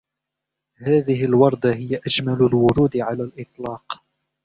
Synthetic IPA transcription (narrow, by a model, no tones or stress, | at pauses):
haːðɪhɪlwɑɾˤd̪aɦɪjaʔad͡ʒmalʊlwʊɾuːd̪ɪʕalaːlʔɨt̪ˤlɑːq